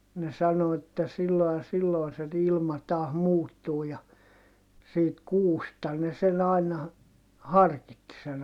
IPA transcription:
ne sɑno etːæ silːo jɑ silːoi̯ se ilmɑ tɑːh muːtːuː jɑ siːt kuːstɑ ne sen ɑinɑ hɑrkitːi sen

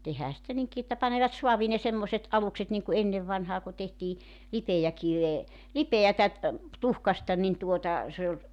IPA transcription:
tehæː sĭtæ niŋki etːæ pɑneʋɑt suɑʋiː ne semːoset ɑlukset niŋku enːeʋ ʋɑnhɑː ku tehtiː lipejækiʋeː lipeætæ tuhkɑstɑ nin tuotɑ se olʲ

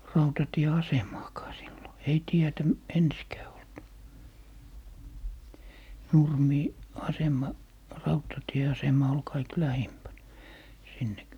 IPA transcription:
rɑutɑtieɑsemɑːkɑː silːo ei tietæ ensikæː olt nurmiː ɑsemˑɑ rɑutɑtieɑsemɑ ol kɑik læhimpæn sinːek

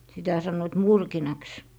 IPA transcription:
sitæ sɑnːoit murkinɑks

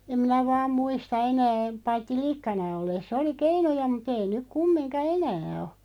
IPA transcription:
em minæ ʋɑːm muistɑ enæː pɑitːi likːɑnɑ olːesˑ oli keinujɑ mut ei nyk kumːinkɑ enæː o

